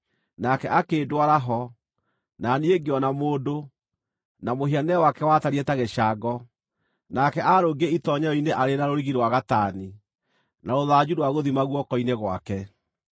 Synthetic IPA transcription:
nakɛʔakeːdwaɾaɦɔ | nanieɡeɔnamoːdo | namoɦianɛwakɛwataɾiɛtaɣeɕaɡɔ | nakɛʔaɾoɡeitɔɲɛɔineʔaɾenaɾoɾiɣiɾwaɣataːni | naɾoðad͡ʑuɾwaɣoðimaɣwɔkɔineɣwa̰kɛ

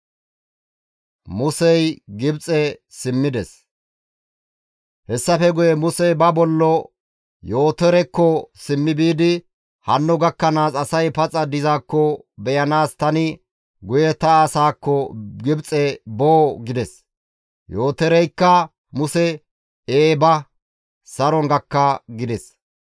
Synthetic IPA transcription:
mʊsɛjɡɪbt͡sʼɛsɪmːɪd̪ɛs | hɛsːɐfɛɡʊjɛmʊsɛjbɐbɔlːɔ | jo̞ːt̪ɛɾɛkːɔsɪmːɪbiːd̪ɪ | hɐnːɔɡɐkːɐnaːsɐsɐjpɐt͡sʼɐd̪ɪzaːkːɔbɛjɐnaːst̪ɐnɪ | ɡʊjɛt̪ɐːsaːkːɔɡɪbt͡sʼɛboːɡɪd̪ɛs | jo̞ːt̪ɛɾɛjkːɐ | mʊsɛ | eːbɐ | sɐɾɔŋɡɐkːɐɡɪd̪ɛs

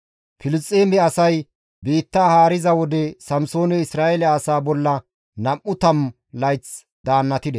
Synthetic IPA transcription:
fɪlɪst͡sʼːeːmɛɐsɐj | biːt̪ːaːhaːɾɪzɐwɔd̪ɛsɐmso̞ːnɛɪsɾaːʔɛlɛaːsaːbɔlːɐ | nɐʔʔʊt̪ɐm | lɐjt͡s | d̪aːnːɐt̪ɪd̪ɛ

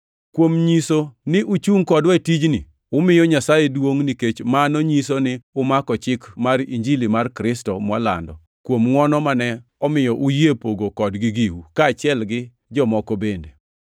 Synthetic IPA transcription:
kwomɲisonɪʔʊt͡ʃuŋkɔdwɛtid͡ʒnɪ̰ | ʊmɪjɔɲasajedwoŋniket͡ʃmanoɲis̬onɪʊmakɔt͡ʃɪkmaɾḭɲd͡ʒilimarkɾɪstɔmwala̰ndɔ̰ | kwomŋwɔnɔmanɛɔmɪjɔʔujepoɡokɔdɡɪɡiwukaːt͡ʃɪɛlɡɪ | d͡ʒɔmɔkobende

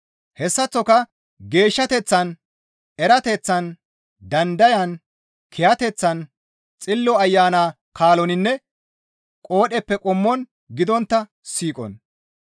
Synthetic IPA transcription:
hɛsːɐt͡sːɔkɐ | ɡe̞ːʃːɐt̪ɛt͡sːɐn | ɛɾɐt̪ɛt͡sːɐn | d̪ɐnd̪ɐjɐn | kʰɪjɐt̪ɛt͡sːɐn | t͡sʼɪlːɔɐjːaːnaː | kaːlɔnɪnːɛ | kʼo̞ːɗɛpːɛkʼʊmːɔn | ɡɪd̪ɔnt̪ːɐ | siːkʼɔ̰n

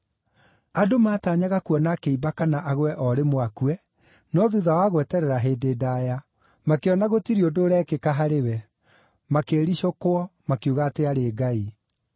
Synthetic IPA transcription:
adomaːtaɲaɣakuɔnakeibakanaʔaɣwɛʔɔɾemwakuɛ | nɔðuðawaɣwɛtɛɾɛɾaɦeːdeːdaja | makeɔnaɣotiɾiodoːɾɛkekaɦaɾewɛ | makeːɾiʃokoɔmakeuɣaːteaɾeɡai

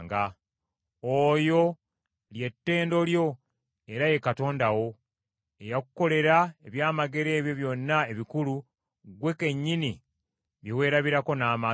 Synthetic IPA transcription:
ŋɡa | ojo̞ | lje̞tːe̞ːndo̞ljo̞ | e̞ɾaje̞kato̞ːndawo̞ | e̞jaku̥ko̞le̞ɾaeβjaːmaɡe̞ɾe̞ːβjo̞βjo̞nːaeβikulu | ɡwe̞ke̞ɲːini | βjiwe̞ːɾaβiɾako̞naːma

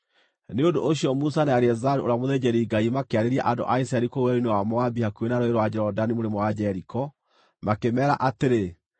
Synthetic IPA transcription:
neondoʔːɕ̬iɔmusanaaɾɛzaɾuoɾamoðed͡ʑɛɾiɡaimakeaɾeɾia̰ʔando̰ʔaisɛɾikowɛɾinewamɔabihakuenaɾoeɾɔwad͡ʑɛɾɔdanimoɾemwad͡ʑɛɾikɔ | makemɛːɾa̰ʔateɾe

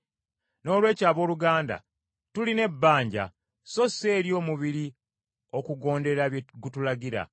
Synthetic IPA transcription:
no̞ːlwe̞ːcaːβo̞ːluɡaːnda̰ | tuline̞bːaːɲɟa̰ | so̞se̞ːɾjo̞ːmuβiɾi | o̞kuɡo̞ːnde̞ɾaβjɡutulaɡiɾa̰

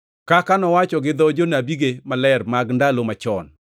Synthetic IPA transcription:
kakanɔwat͡ʃɔɡɪd̪ɔd͡ʒonabiɡemalɛrmaɡndalomat͡ʃɔ̰n

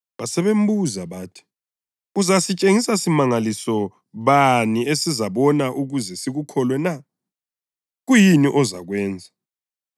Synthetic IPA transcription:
βasɛβem̩buzaβaːtʰi̥ | uzasit͡ʃʼeŋisasimaŋalisɔ | βaniesizaβɔnaʔuɣuzɛsiɣukʰɔlwɛna | ɣujiniʔɔza̰ɣwɛːnd͡zʱa

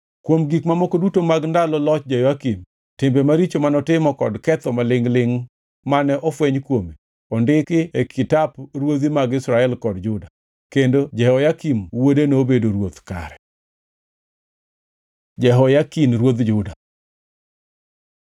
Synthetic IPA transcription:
kwomɡikmamokodutomaɡndalɔlɔt͡ʃd͡ʒɛjakim | tɪmbɛmaɾit͡ʃomanɔtɪmɔkɔdkɛt̪ɔmalɪŋlɪŋ | manɛʔɔfweɲkwome | ɔndɪkɪekʰɪtaprwod̪imaɡɪsɾaɛlkɔdd͡ʒʊda | kendod͡ʒɛhɔjakimwodenobedoɾwot̪ka̰ɾɛ | d͡ʒɛɦɔjakinɾwod̪d͡ʒʊda

